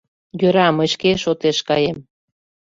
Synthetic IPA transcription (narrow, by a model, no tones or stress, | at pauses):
jøɾɑməɕkeʃot̪eʃkɑjem